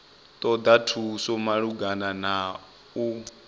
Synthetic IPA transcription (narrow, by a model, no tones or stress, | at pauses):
t̪ʼɔd̪atʰusɔmaɺuɡanana | u